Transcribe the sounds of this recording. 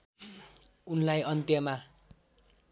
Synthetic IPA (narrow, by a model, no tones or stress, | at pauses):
unlajʌnt̪jʌma